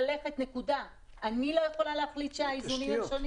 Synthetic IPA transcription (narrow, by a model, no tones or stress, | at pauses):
le̞χe̞t̪ne̞kuda | ʔanilo̞je̞χo̞laleaχlit̪ʃeaizunimaʃoni